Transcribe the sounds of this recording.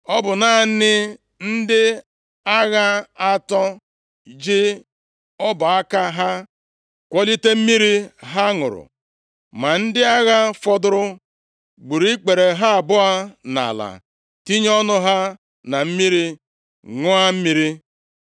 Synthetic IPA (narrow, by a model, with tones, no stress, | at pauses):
ɔ˦bʊ˨na˨nɪ˦ | n̩˦dɪ˦ | a˦ɣa˦a˦tɔ˦ | d͡ʒɪ˦ | ɔ˦bʊ˨a˦ka˦ɦa˦ | kʷɔ˦li˦te˦m̩˦mi˦ɾi˦ɦa˦ŋʊ̰˨ɾʊ̰˨ | ma˨n̩˦dɪ˦a˦ɣa˦fɔ˦dʊ˦ɾʊ˦ | ɡ͡bu˨ɾi˦k͡pe˨ɾe˨ɦa˦˨bʊ˦a˦na̰˨la̰˨ | ti˦ɲ˦ɔ˦nʊ˦ɦa˦ | na˨m̩˦mi˦ɾi˦ | ŋʊ˦a˦m̩˦mi˦ɾi˦